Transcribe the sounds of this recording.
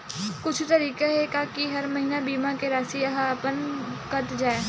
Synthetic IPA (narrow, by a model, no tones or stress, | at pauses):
kʊt͡ʃʰt̪ɐɾiːkeɦekakiɦɐɾmɐɦiːnabiːmãkeɾaːsiɐɦapənkɐɾt̪d͡ʒaːe